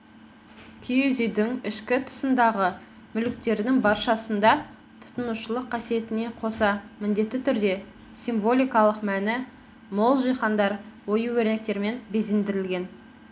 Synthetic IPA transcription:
t̪ʰiezijd̪ɪŋɪʃkʲɪt̪ʰə̥sənd̪ɑʁə | mʏlɪk̚t̪e̞ɾɪd̪ɪŋbɑɾʃɑsənd̪ɑ | t̪ʰʊ̥t̪ənuʃəlˠəqʰːɑsije̞t̪ɪne̞qʰo̞sɑmɪnd̪e̞t̪ːɪt̪ʰʏɾd̪e̞ | siɱvo̞lʲijkɑlˠəqmænɪ | mo̞lˠʒijχɑnd̪ɑɾwo̞jəwɵɾnek̚t̪e̞ɾme̞nbe̞zend̪ɪɾɪlɡʲe̞n

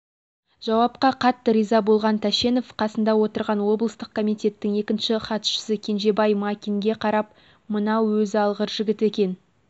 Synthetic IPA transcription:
ʒ̥ɑwɑp̚qɑqʰɑt̪ːəɾijzɑbo̞lˠʁɑnt̪ʰæʃe̞no̞fqʰɑsənd̪ɑwo̞t̪əɾʁɑnwo̞blˠəst̪əq̚kʰomijt̪ʲe̞t̪ːɪŋe̞kʲɪnʃɪχɑt̪ʃə̥sɪkʲʰe̞nʒe̞bɑjmakʲiŋɡʲe̞qʰɑɾɑp̚ | mənɑwwɵzɑlˠʁəɾʒɪɡʲɪt̪e̞kʲe̞n

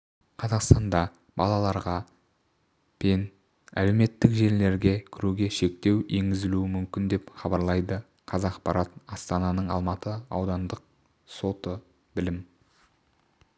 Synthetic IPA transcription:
qʰɑzɑqst̪ɑnd̪ɑ | bɑlˠɑlˠɑɾʁɑ | pʰen | æ̰le̞wme̞t̪ːɪkʒe̞ɾle̞ɾɡʲe̞kʲʰɪɾuɡʲe̞ʃe̞k̚t̪e̞we̞ŋɡʲɪzɪluɪmʏmkʲɪnd̪e̞pχɑbɑɾlˠɑjd̪ə | qʰɑzɑqpɑɾɑt̪ɑst̪ɑnɑnəɴɑ̰lˠmɑt̪əɑwd̪ɑnd̪əq̚ | so̞t̪ə | bɪlɪm

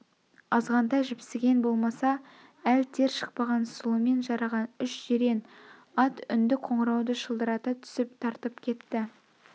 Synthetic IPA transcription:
ɑzʁɑnd̪ɑjʒɪpsɪɡʲe̞nbo̞lˠmɑsɑ | ælt̪ʰe̞ɾʃə̥q̚pɑʁɑnsʊlˠəme̞nʒɑɾɑʁɑnʏʃʒ̥eɾe̞nɑt̪ʏnd̪ɪkqʰo̞ɴəɾɑwd̪əʃəlˠd̪əɾɑt̪ət̪ʰʏ̥sɪp̚t̪ʰɑɾt̪əpkʲʰe̞t̪ːɪ

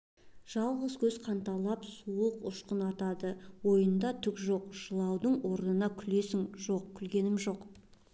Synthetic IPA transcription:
ʒ̥ɑlˠʁəzkʲʰɵz̥qʰɑnt̪ɑlˠɑpsuəqʊʃqənɑt̪ɑd̪əwo̞jənd̪ɑt̪ʰʏkʒo̞qʒ̥əlˠɑwd̪əɴwo̞ɾnənɑkʲʰʏle̞sɪŋʒo̞q̚kʲʰʏlɡʲe̞nɪmʒo̞q

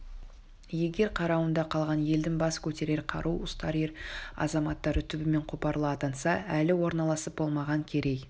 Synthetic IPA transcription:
je̞ɡʲe̞ɾqʰɑɾɑwənd̪ɑqʰɑlˠʁɑnje̞ld̪ɪŋbɑskʲʰɵt̪e̞ɾe̞ɾqʰɑ̰ɾʔuwʊst̪ɑɾeɾɑ̰zɑmɑt̪ːɑɾət̪ʰʏbɪme̞ɴqʰʊpɑɾlˠəɑt̪ɑnsɑælɪwo̞ɾnɑlˠɑsəp̚b̥o̞lˠmɑʁɑŋkʲʰe̞ɾe̞j

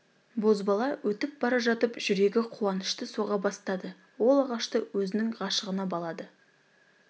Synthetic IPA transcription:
bo̞zbɑlˠɑwʔɵt̪ɪp̚bɑɾɑʒɑt̪əpʒ̥ʏɾe̞ɡʲɪqʰuɑnəʃt̪əsoʁɑbɑst̪ɑd̪ə | wo̞lˠɑʁɑʃt̪əwɵzɪnɪŋʁɑʃəʁənɑbɑlˠɑd̪ə

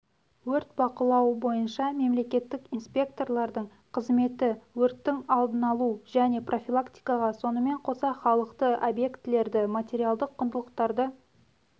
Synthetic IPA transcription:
wɵɾt̪̚bɑqəlˠɑwəbo̞jənʃɑme̞mle̞kʲe̞t̪ːɪkinspʲe̞kt̪o̞rlˠɑɾd̪əɴ | qʰəzme̞t̪ɪwɵɾt̪ːɪŋɑlˠd̪ənɑlˠuʒæne̞prʔo̞fʲilˠakt̪ʲi̥jkɑʁɑso̞nəme̞ɴqʰo̞sɑχɑlˠəqt̪əʔobje̞kt̪ɪle̞ɾd̪ɪmat̪ʲe̞ɾialˠd̪əqʰːʊnd̪əlˠəqt̪ɑɾd̪ə

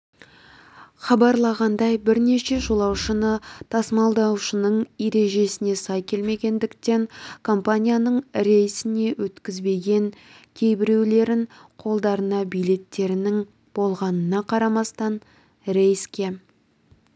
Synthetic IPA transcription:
χɑbɑɾlˠɑʁɑnd̪ɑjbɪɾne̞ʃe̞ʒolˠɑwʃənət̪ʰɑsmɑlˠd̪ɑwʃənəɴje̞ɾe̞ʒe̞sɪne̞sɑjkʲʰe̞lme̞ɡʲe̞nd̪ɪkt̪e̞ŋkʰo̞mpanʲijanəɴɾe̞jsɪne̞wɵt̪kʲɪzbe̞ɡʲe̞ŋ | kʲʰe̞jbɪɾe̞wle̞ɾɪŋqʰo̞lˠd̪ɑɾənɑbijle̞t̪ːe̞ɾɪnɪŋ | b̥o̞lˠʁɑnənɑqʰɑɾɑmɑst̪ɑn | ɾejskʲe̞

